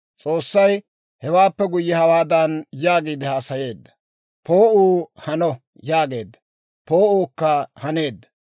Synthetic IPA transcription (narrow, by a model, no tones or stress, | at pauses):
t͡sʼo̞ːsːɐj | hɛwaːpːɛɡʊjːɛhɐwaːd̪ɐnjaːɡiːd̪ɪhaːsɐje̞ːd̪ːɐ̥ | pʰo̞ːuːhɐnɔ | jaːɡe̞ːd̪ːɐ̥ | po̞ːuːkːɐhɐne̞ːd̪ːɐ̥